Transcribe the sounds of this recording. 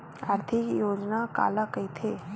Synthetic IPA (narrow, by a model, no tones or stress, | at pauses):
aːɾt̪ʰɪkjoːd͡ʒnaka̰ːlakɐit̪ʰeː